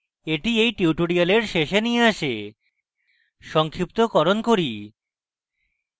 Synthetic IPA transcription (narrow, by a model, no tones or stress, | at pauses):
eʈiejʈiuʈoɽialeɾʃeʃenieaʃe | ʃɔŋkʰɾip̚t̪okɔɾonkoɾi